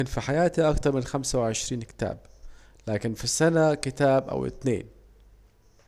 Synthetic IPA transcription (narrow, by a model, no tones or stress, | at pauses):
ɪnfiħajaːt̪iʔɑkt̪ɑɾˤmɪnxamsawɪʕɪʃɾiːnkɪ̥t̪a̰ːb̚ | laːkɪnfisːanakɪt̪aːbʔa̰wɪ̰t̪nḛːn